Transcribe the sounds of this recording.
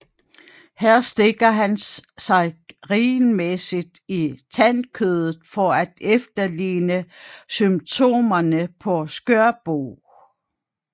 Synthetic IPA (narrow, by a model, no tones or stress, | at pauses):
hæɐ̰sd̥e̝ɡ̥ɐɦænsɑ̈ɪʁinmesid̥it͡sʰænkʰøð̞ˠð̩ˠfɒæd̥efd̥ɐliːnəsymt͡sʰo̝̰ːmɐnəpʰɒ̽sɡ̥øɐb̥o̰ː